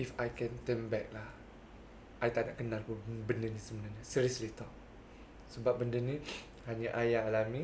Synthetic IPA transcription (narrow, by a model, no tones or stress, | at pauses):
ifajkɛ̃nt̪ənbɛk̚lah | ʔajt̪aʔna̰ʔkənalkubəndənisəbənarɲasiɾiəslit̪ɔk̚ | səbap̚bəndəni | haɲaʔajaːlami